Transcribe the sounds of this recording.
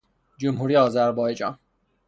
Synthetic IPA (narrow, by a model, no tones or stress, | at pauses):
d͡ʒomɦuɾijɒːzæɾbɒːjed͡ʒɒ̰ːn